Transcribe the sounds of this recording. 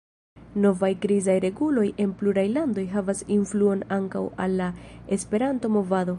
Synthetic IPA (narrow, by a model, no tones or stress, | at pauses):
no̞vajɡɾizajɾe̞ɡulo̞je̞npluɾajlando̞jɦavasinfluo̞naŋkawa̰lːae̞spe̞ɾanto̞mo̞vado̞